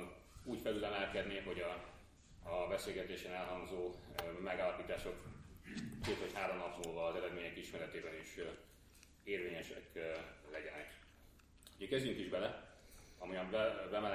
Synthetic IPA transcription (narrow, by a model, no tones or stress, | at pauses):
n | uːcfɛlylɛnɛlkɛd̪neːɦo̞ɟɒ | bɛseːlɡɛt̪eːʃɛnɛlɦɒŋzoːmɛɡaːlɒpiːt̪aːʃo̞k | t̪eːt̪ho̞chaːɾomnɒpnulvɒːzɛɾɛd̪meːɲɛkiʃmɛɾɛt̪eːbɛniʃ | eːrveːɲɛʃɛklɛɟɛnɛ | uɟɛkɛzyŋkiʒbɛlɛ | ɒmujɒmbɛmɛl